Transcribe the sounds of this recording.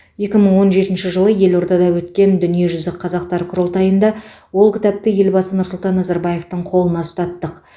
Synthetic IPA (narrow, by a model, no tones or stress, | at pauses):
je̞kʲɪməɴwo̞nʒe̞t̪ɪnʃɪʒəlˠəje̞lo̞ɾd̪ɑd̪ɑwɵt̪kʲe̞nd̪ʏnije̞ʒʏzɪqʰːɑzɑq̚t̪ɑɾkʰʊɾolˠt̪ɑjənd̪ɑ | wo̞lˠkʲɪ̥t̪ɑp̚t̪ɪje̞lbɑsənʊɾsʊlˠt̪ɑnːɑzɑɾbɑje̞ft̪əɴqʰo̞lˠənɑst̪ɑt̪ːəq